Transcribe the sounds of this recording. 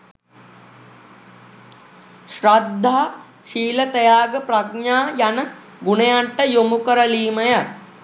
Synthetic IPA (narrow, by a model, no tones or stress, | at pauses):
ʃɾad̪ʱːaː | ʃiːlɐt̪ɐjaːɡɐpɾɐtɲaːjɐnɐ | ɡunɐjaɳʈɐjomukɐɾɐliːmɐjɐ